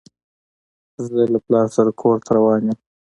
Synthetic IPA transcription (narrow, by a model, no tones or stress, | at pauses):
zelaplɑɾsaɾakʰoːɾt̪ʰaɾawɑːnjəm